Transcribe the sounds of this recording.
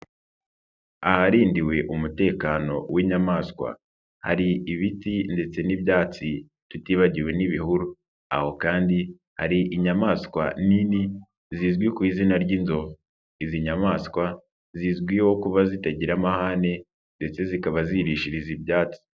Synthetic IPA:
a̰haɾiːndiwe̞ʔumute̞ːkano̞wiɲamaːskwa̰ | ha̰ɾiʔiβitinde̞t͡se̞nibjaːt͡si | tutiːβaɟiwe̞niβihuɾu | a̰ho̞kaːndi | ha̰ɾiʔiɲamaːskwa̰nini | ziːzɡwikwiːzinaɾɟinzov | iziɲamaːskwa | zizɡwiho̞kuβazitaɟiɾamahane | nde̞t͡se̞zikaβaziɾiʃiɾizibjaːt͡si̥

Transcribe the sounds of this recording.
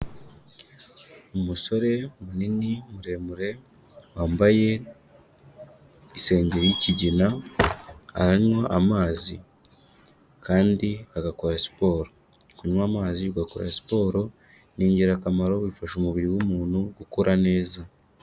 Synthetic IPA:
umuso̞ɾe̞muninimuɾe̞muɾe̞ | waːmbaje̞ | ise̞ːɲɟeɾijiciɟina | a̰ɾaɲwaʔamaːzi | kaːndiaɡako̞ɾasi̥po̞ːɾo̞ | kuɲwaːmaːziuɡako̞̰ɾa̰si̥po̞ːɾo̞ | niːɲɟiɾakamaɾo̞βiːfaʃumuβiɾiwumuːnhuɡukoɾʔane̞ːza

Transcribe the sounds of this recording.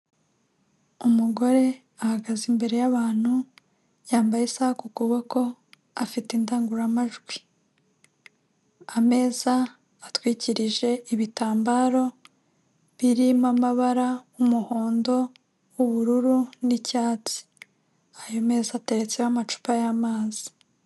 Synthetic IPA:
umuɡo̞ɾe̞ | ahaɡazimbe̞ɾe̞jaβaːn̥hu | jaːmbajesahkukuβoko̞ | afitindaːŋɡuɾamaʒɡwi | ame̞ːzaː | twiːciɾiʒe̞iβitaːmbaːɾo̞ | βiɾimamaβaɾaumuho̞ːndo̞ | uβuɾuɾunicaːt͡si̥ | ajo̞me̞ːzate̞ɾe̞t͡sewamat͡ʃu̥pajamaːzi̥

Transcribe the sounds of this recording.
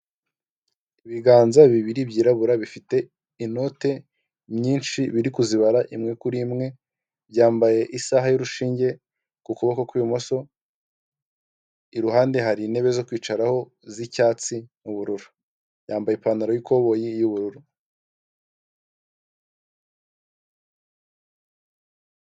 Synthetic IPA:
iβiɡaːnzaβiβiɾibɟiːɾaβuɾaβifite̞ | ino̞te̞ | mɲiːnʃiβiɾikuziβaɾaʔimŋe̞kuɾimŋe̞ | bɟaːmbaje̞ʔisaɦajuɾuʃiːɲɟe̞ | kukuβakokwijumoso̞ | iɾuɦaːnde̞ɦaɾine̞βezo̞kwiːt͡ʃaɾaho̞ | zicaːt͡simuβuɾuɾu̥ | jaːmbajepanaɾojuko̞βo̞jijuβuɾuɾu

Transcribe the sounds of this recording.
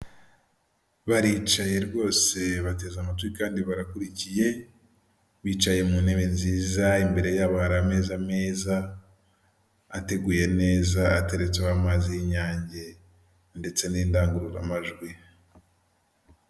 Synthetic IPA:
βaɾiːt͡ʃaje̞ɾɡo̞ːse̞βate̞ːzamatwikaːndiβaɾakuɾicije̞ | βiːt͡ʃaje̞muneβenziːzaimbe̞ɾe̞jaβahaɾame̞ːzame̞ːza | te̞ɡuːje̞ne̞ːzaːte̞ɾet͡seamaːzijiɲaːɲɟe̞ | nde̞t͡se̞niːndaːŋɡuɾuɾa̰maʒɡwi

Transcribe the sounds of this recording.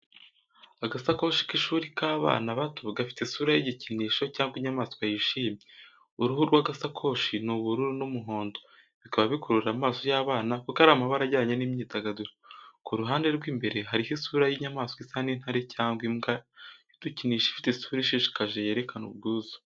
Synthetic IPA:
aɡasakoʃi̥kiʃuːɾikaːβa̰ːnaβatuɡafi̥tesuːɾajiɟiciniːʃo̞caːŋɡwiɲamaːsowajiʃiːmɲe | uɾuhuɾɡwaːɡasakʰo̞ːʃinuβuɾuɾunumuɦo̞ːndo̞ | βikaβaβikoɾuɾɾamaːso̞jaːβaːnakokaɾaːmaβaɾaɟaɲenimɲiːtaɡaduɾakuɾuɦaːnde̞ɾɡwiːmbe̞ɾe̞ɦaɾiɦisuːɾajiɲamaːsokisanin̥haɾecʰaːŋɡwimɡajud̥uciniʃi̥fi̥tesuːɾiʃiʃi̥kaʒeje̞ɾekanṵβɡuːzḁ

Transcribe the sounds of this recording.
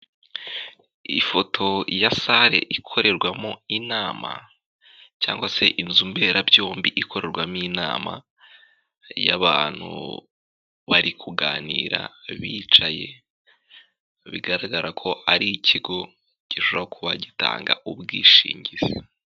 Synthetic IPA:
ifo̞tʰo̞jasaɾe̞̰ʔikʰo̞ɾe̞ɾɡwamoinaːma̰ | caːŋɡwase̞ʔinzumbeːɾabjo̞ːmbiʔikʰo̞ɾe̞ɾɡwamina̰ːma̰ | jaβaːn̥hṵ | βaɾikʰuɡaːniːɾa̰βiːt͡ʃaje̞ | βiɡaɾaɡaɾʔakʰo̞aɾicʰiɡo | ɟ̥iʃoβakʰuβaɟita̰ːŋɡa̰ʔubɡiːʃḭːɲɟizi

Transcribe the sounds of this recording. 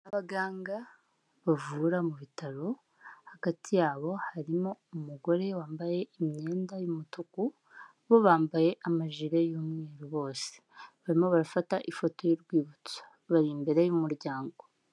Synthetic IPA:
aβaɡaːŋɡa | βavuːɾamuβitaɾo̞ | haɡ̥atʰijaːβo̞haɾimo̞umuɡo̞ɾe̞waːmbaje̞imɲe̞ːndajumutuku | βo̞βaːmbaje̞ʔamaʒiɾejuːmŋeːɾuβo̞ːse̥βaɾimo̞βaɾafataʔifo̞to̞jiɾɡwiːβut͡sḁ | βaɾiːmbeɾejumuɾɟaːŋɡo̞

